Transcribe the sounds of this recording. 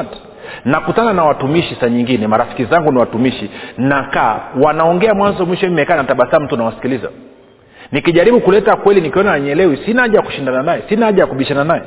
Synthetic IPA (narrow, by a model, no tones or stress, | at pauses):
t | nakutananawatumiʃisaɲiŋɡinɛmaɾafi̥kizaŋɡuniwatumiʃinaka̰ːwanaɔŋɡɛamwanzɔmwiʃɔimɛkaːnataɓasam̩tunawasi̥kiliza̰ | nikiʄaɾiɓukulɛtakwɛlinikiɔnaɲɛlɛwisinaaʄajaku̥ʃindananajɛsinaaʄajakuɓiʃananajɛ